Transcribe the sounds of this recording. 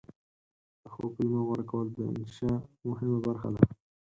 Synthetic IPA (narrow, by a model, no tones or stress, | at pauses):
d̪əxo̰fɪlmawəɾkawəld̪əɪ̰nʃɑmʊɦɪmabaɾxa̰d̪a